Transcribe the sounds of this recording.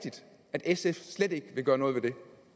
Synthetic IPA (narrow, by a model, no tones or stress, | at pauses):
d̥id̥ | æd̥esefsled̥e̝ɡ̥ʋe̝ɡ̥ɶːɐnɔ̽ːð̞̩ˠʋed̥e̝